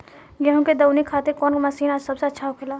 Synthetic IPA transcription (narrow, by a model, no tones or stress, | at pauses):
ɡɛɦõked̪ɐwnikʰaːt̪ekɔːnkmɐsiːnad͡ʒsɐbseɐtːʃʰaokʰelaː